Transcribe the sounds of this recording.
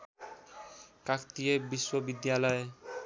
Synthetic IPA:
kakt̪ijebiswʌbid̪jalʌj

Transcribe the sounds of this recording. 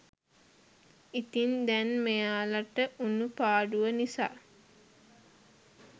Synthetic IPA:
it̪ind̪ɛnmejaːlaʈəʔunupaːɖuʋənisa̰ː

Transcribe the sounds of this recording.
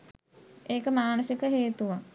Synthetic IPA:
eːkəmaːnusikəɦeːt̪uʋa

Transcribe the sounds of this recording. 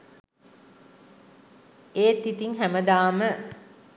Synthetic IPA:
eːt̪it̪iŋɦæməd̪aːmə

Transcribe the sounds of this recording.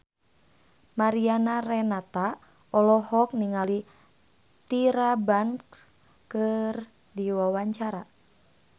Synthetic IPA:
maɾianarɛnat̪a | ɔlɔhɔk̚niŋali | t̪iɾabaŋk | kɨr | diwawaɲt͡ʃaɾa

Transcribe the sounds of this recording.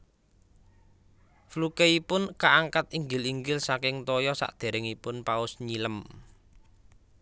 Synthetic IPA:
flukeipʊnkaʔaŋkat̪̚iŋɡɪliŋɡɪlsakɪŋt̪ɔjɔsa̰ʔd̪̥e̤ɾɪŋipʊnpaʊsɲiləm

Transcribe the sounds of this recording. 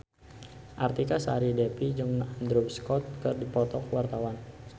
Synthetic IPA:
ʔart̪ikasa̰ɾidɛpid͡ʒɨŋnand̪ɾubskɔt̪̚kɨrdipɔt̪ɔkwart̪awan

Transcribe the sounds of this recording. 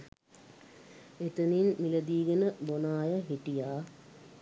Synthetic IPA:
et̪əninmiləd̪iːɡənəbonaːjəɦiʈijaː

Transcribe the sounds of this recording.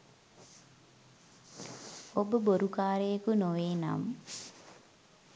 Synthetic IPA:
obəboɾukaːɾejəkunoʋeːna̰m

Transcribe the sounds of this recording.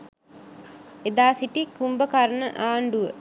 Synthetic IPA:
ed̪aːsiʈikumbəkaɾənəʔaːɳɖuʋə

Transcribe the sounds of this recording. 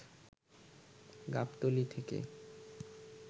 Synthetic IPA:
ɡa̰pt̪olit̪ʰekḛ

